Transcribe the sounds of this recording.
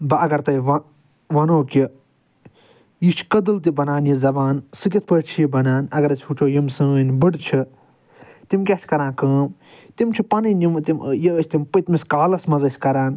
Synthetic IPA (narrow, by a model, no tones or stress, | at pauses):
bɐɐɡɐɾt̪ɐiʋɐ | ʋɐnoːki | jit͡ʃʰkɐd̪ɨlt̪̬ibɐnaːnjizɐbaːnsɨk̬ʲit̪̚ʰpət͡ʃʰjibɐnaːnɐɡɐɾɐt͡ʃʲʰut͡ʃʰoːjimsə̃ːnbɨɖt͡ʃʰi | t̪imkʲasʰʲkɐɾãːnkəːm | t̪imt͡ʃʰipɐnɨnʲjimt̪imjiːt͡ʃʰʲt̪impɨt̪miskaːlɐsmɐzɐsʲkɐɾaːn